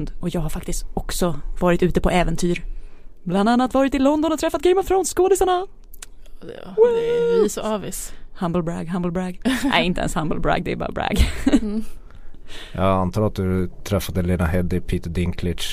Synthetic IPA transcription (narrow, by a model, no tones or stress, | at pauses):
nd̪ɔjɑːɡhaɾfak̚t̪ɪst̪ɔksɔvɑːɾɪt̪ʉ̟ːt̪əpʰɔɛːvɛnt̪ʰyːɾbland̪anːat̪vɑːɾɪt̪ɪlɔnd̪ɔnɔt̪ʰɾɛfːat̪̚ɡɛɪmɔft̪ʰɾaʊnskoːd̪ɪsaɳa | ɛsɔɑvɪshambəlbɾa̰ɡɦambəl̩bɾaɡ̪æ̰ɪnt̪ə̰ɛ̰nshambəlbɾa̰ɡd̪ɛɛ̰bɑ̰ːɾbɾæ̰ɡ | jɑ̰ant̪ʰɑːɾat̪̚d̪ɵt̪ʰɾɛfːad̪əleːnaɦɛd̪ɪpʰiːt̪d̪ɪŋkʰlɪt͡ʃ